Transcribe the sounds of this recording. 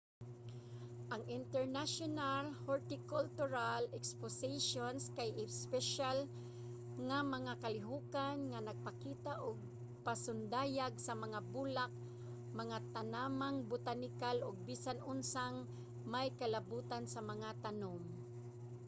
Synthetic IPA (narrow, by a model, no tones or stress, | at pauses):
ʔaŋɪnt̪ɛɹnaʃonalhoɹt̪ɪkʊlt̪ʊɾalɛksposeʃonskajɪspɛʃal | ŋamɐŋakalɪɦuːkanŋanaɡ̚pakiːt̪aʔʊɡ̚ | pasʊnd̪aːjaɡsɐmɐŋabulak̚ | mɐŋat̪anamaŋbʊt̪anɪkalʔʊɡ̚biːsanʊnsaŋ | majkalabuːt̪ansamɐŋat̪anom